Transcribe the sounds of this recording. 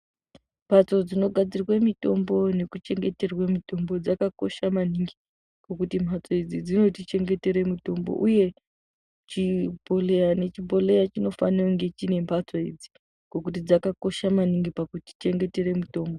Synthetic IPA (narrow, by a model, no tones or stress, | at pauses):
mpʰat͡so̞d͡zino̞ɡʱad͡zirwemito̞mbo̞ne̞kut͡ʃe̞ŋɡe̞te̞rwemito̞mbo̞d͡zakako̞̰ʃamaniŋɡi | ko̞kutimbʰʱat͡soid͡zid͡zino̞tit͡ʃe̞ŋɡe̞te̞ɾe̞muto̞mbo̞̰ʔuje̞ | t͡ʃibʱo̞lejane̞t͡ʃibʱo̞le̞jat͡ʃino̞fa̰niwŋɡe̞t͡ʃine̞mpʰat͡soḭd͡zi̥ | ko̞kut̬id͡zakako̞ʃamaniŋɡipakuti̥t͡ʃe̞ŋɡe̞te̞re̞muto̞ːmbo